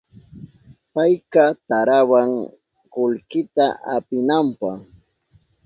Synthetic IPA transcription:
pajkɑt̪aɾawaŋ | kʊlkɪt̪aʔapɪnampɑχ

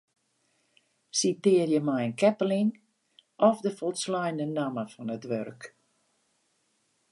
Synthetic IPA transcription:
sitɪərjəmɛjənkɛpəlin | ʔɔfdəfɔlˠslɔjndənaməfɔnətʋø̰rk

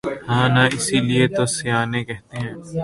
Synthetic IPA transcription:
hãːnaɪsiliet̪osɪjaːnẽkɛɦt̪eɦɛ̃ː

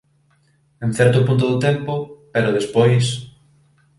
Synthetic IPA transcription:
ẽn̟θɛɾt̪ʊpunt̪̬ʊðʊt̪empʊpeɾʊðespojs

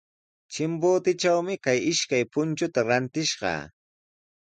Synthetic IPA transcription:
t͡ʃɪmbʊːt̪ɪt͡ʃawmɪkajɪʃkajpʊnt͡ʃʊt̪aɾant̪ɪʃɢɑ̰ː

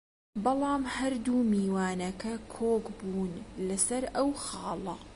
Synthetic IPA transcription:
bɑlˠɑːmhɐɾd̪uːmiːwaːnɐkɐkʰoːkbuːnlɐsɐɾʔɐwxɑːlˠɐ

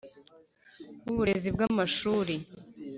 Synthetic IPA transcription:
uβuɾe̞zibɡamaʃuːɾe

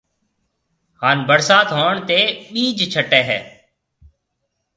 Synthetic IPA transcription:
haːnbəɽsaːt̪ɦoːɳt̪eːɓiːd͡ʒt͡ʃʰəʈːeːɦɛ̰ː

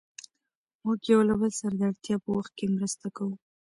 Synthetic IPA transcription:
mʊɡjawlabəlsaɾad̪aɽt̪jɑpəwaxt̪̚kemɾəst̪akawu

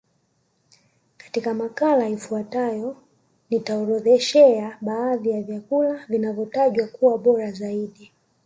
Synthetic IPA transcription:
kḁtikamakalajifuatajɔ | nitaɔɾɔðɛʃɛaɓaːðijavjakulavinavjɔtaʄwakuwaɓɔɾazaiɗi

